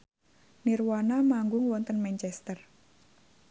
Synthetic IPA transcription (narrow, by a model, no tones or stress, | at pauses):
nirwanamaŋɡʊŋwɔnt̪ənmɛnt͡ʃɛst̪ər